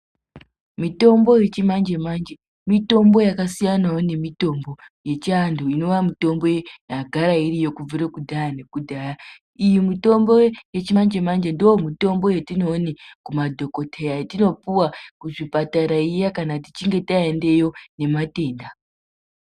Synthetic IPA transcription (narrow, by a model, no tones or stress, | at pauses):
mito̞mbo̞je̞t͡ʃimand͡ʒe̞mand͡ʒe | mito̞mbo̞jakasijanajone̞mito̞mbo̞ | je̞t͡ʃanduino̞ʋamito̞mbo̞jaɡʱaɾairijo̞kub͡vuɾekudʱajane̞kudʱaja | ijimito̞mbo̞je̞t͡ʃimand͡ʒe̞mand͡ʒe̞ndoomito̞mbo̞jetino̞ːnikumadʱo̞ko̞tʰejatino̞puwakuʐipataɾaijakanati̥t͡ʃiŋɡe̞taende̞jo̞ne̞mate̞ːnda